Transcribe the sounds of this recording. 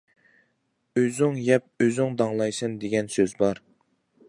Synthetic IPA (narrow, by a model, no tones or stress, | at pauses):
øzyŋjɛp̚øzyŋd̪ɑŋlˠɑjsɨnd̪eɡʲɛnsøzbɑɾ